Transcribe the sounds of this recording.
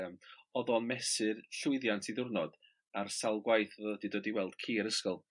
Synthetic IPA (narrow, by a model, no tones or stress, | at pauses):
mɔðɔnmɛsɨrɬʊɨðjantʰiðʊrnɔd̥ | arsalˠɡwajθðodidədiwɛlˠd̥kʰiːaɾəskɔlˠ